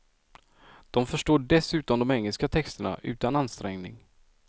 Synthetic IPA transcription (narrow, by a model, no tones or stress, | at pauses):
d̪̥ɔmfœʂʈoːɖɛsʉ̟ːt̪ɔnd̪ɔmɛŋːəlskat̪ʰɛkst̪əɳa̰ʔʉ̟̰ːt̪ananst̪ɾɛŋnɪ̰ŋ